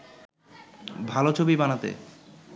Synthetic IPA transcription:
bʱalot͡ɕʰobibanat̪ḛ

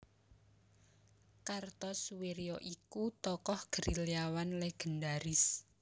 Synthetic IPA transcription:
kart̪ɔsuweɾiɔʔikut̪ɔkɔhɡ̥əɾiliawanleɡ̥ə̤ɳɖaɾɪs

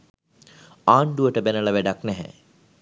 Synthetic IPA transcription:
aːɳɖuʋəʈəbenəlaʋæɖaknɛɦɛ̰

